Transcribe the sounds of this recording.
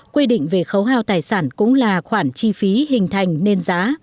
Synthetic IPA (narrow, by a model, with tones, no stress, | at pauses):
kwi˧ɗḭ̈˧˨ŋ̟ve˨˩xə˨˦wɦaː˧wt̪aː˨˩jsaː˧˩nkʊ̰˧˥ŋ͡mlaː˨˩xwaː˧˩nt͡ɕi˧fi˨˦hï˨˩ŋ̟t̪ʰa˨˩jŋ̟ne˧nzaː˨˦